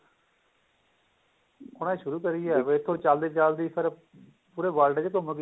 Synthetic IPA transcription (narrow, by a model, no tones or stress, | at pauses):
ʊnãʃʊɾuːkəɾiːɛːʋeɪt̪ʰːõːt͡ʃaːld̪iːt͡ʃald̪iːpʰəɾ | puːɾeːʋaːlʈːd͡ʒekoməɡ